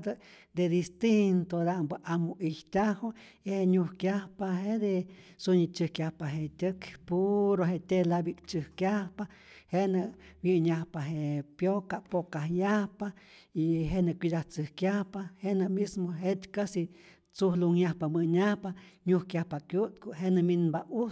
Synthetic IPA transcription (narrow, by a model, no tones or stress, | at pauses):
d̪əd̪ed̪ist̪int̪od̪ambəʔamoʔiht̪ʲahoiheɲuhkjahpaɦed̪esuɲit͡ʃɨhkjʲahpaɦet̪ʲəkpuɾoɦet̪ʲelabikt͡ʃɨhkjahpa | henəʔ | wjiɲahpaɦepjokapokahjahpa | iɦenəkʷid̪aht͡sɨhkjahpahenəmismoɦet̪kasi | t͡suhluŋjahpamɨɲahpaɲuhkjahpakjut̪̚kuɦenəminbau